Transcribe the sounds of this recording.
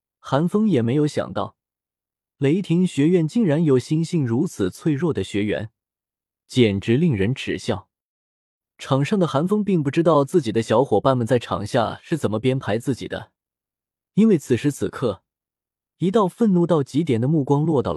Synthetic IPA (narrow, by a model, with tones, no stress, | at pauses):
xa˧˥nfɤ˥ŋjɛ˨˩me˧˥ɪjo˧˥ʊɕjɑ̰˨˩ŋt̪ɑ̰˥˩ʊ | le˨˩ɪ˥˩t̪ʰi˧˥ŋɕɥɛ˧˥ɥɛ˥˧nt͡ɕi˥˩ŋɻa˧˥njo˨˩ʊɕi˥nɕi˥˩ŋɻu˧˥t͡sʰɹ̩˨˩t͡sʰwe˥˧ɪɻwɔ˥˩d̪ə˩ɕɥɛ˧˥ɥɛ̰˧˥n | t͡ɕjɛ˨˩nʈ͡ʂɻ̩˧˥li˥˩ŋɻə˧˥nʈ͡ʂɻ̩˨˩ɕjɑ˥˩ʊ | ʈ͡ʂʰɑ˨˩ŋʂɑ˥˩ŋd̪ə˩xa˧˥nfɤ˥ŋp̬i˥˧ŋpu˥˩ʈ͡ʂɻ̩˥t̪ɑ˥˧ʊt͡sɹ̩˥˩t͡ɕi˨˩d̪ə˦ɕjɑ˧˥ʊxwɔ˨˩pa˥˩nmə˨nt͡sa˥˩ɪʈ͡ʂʰɑ̰˨˩ŋɕja̰˥˧ʂɻ̩˥˩t͡sə˨˩nmə˦pjɛ˥npʰa˧˥ɪt͡sɹ̩˥˩t͡ɕḭ˨˩d̪ə̰˦ | i˥nwe˥˩ɪt͡sʰɹ̩˨˩ʂɻ̩˧˥t͡sʰɹ̩˨˩kʰɤ˥˩ | i˧˥t̪ɑ˥˧ʊfə˥˧nnu˥˧t̪ɑ˥˩ʊt͡ɕi˧˥t̪jɛ˨˩nd̪ə˦mu˥˩kwɑ˥ŋlwɔ˥˧t̪ɑ̰˥˩